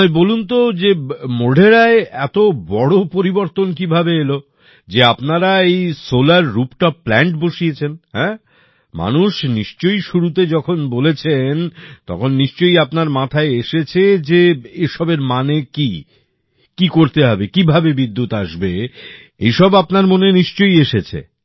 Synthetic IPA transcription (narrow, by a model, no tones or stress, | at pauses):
ebolunt̪od͡ʑemoɖʱeɾaeɛt̪obɔɽopoɾiboɾt̪onkibʱabeelo | d͡ʑeapnaɾaejsolaɾːupʈaplɛɳʈboʃiet͡ɕʰenhɛ̃ | ma̰nuʃniʃt͡ɕojʃuɾut̪̬ed͡ʑɔkʰonbolet͡ɕʰent̪ɔ̰kʰonːiʃt͡ɕojapnaɾmat̪ʰaeeʃet͡ɕʰed͡ʑeeʃɔbeɾmaneki | kikoɾt̪eɦɔbekibʱabebid̪ːut̪aʃbe | ḛjʃɔbapnaɾmoneniʃt͡ɕojeʃet͡ɕʰḛ